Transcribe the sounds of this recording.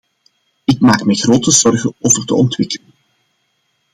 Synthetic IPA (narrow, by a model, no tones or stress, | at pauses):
ɪk̚maːkmɛjɣroːtəzɔrɣənoːvərtə̰ɔntwɪkələn